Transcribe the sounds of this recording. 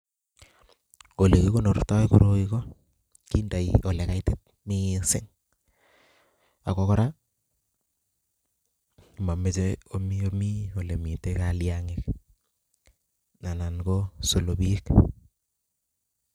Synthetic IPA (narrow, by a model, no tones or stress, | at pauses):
olekikonortɔikuɾokiko | kindaiolɛkaitet̚ | misɪ̰ŋ | akɔkɔɾa | mamet͡ʃɛomiomiolɛmitekaljaŋek | nanankosolobiek